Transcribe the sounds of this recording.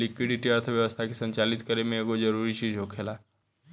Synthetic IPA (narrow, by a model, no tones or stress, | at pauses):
likʋiɽiʈiəɾt̪ʰəʋjəʋəst̪ʰakesə̃ɲt͡ʃalit̪kəɾemẽeɡod͡ʒəɾuɾit͡ʃid͡ʒɦokʰela